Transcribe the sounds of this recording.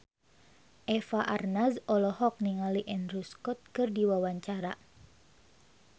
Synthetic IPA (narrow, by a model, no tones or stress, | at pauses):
ʔɛfaʔarnazɔlɔhɔk̚niŋaliʔɛnruskɔt̪̚kɨrdiwawaɲt͡ʃaɾa